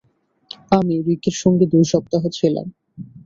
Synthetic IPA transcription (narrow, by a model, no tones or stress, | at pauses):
amiɾikeɾʃɔŋɡed̪ujʃɔb̚t̪aɦet͡ɕʰela̰m